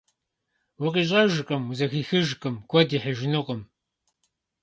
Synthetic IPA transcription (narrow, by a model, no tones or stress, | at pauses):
wʊqʼiːɕ̬ʼɐʒɨqʼɐmuzɐxiːxɨʒqʼɨmkʷʰɔdiːħəʒɪnɨqʼəm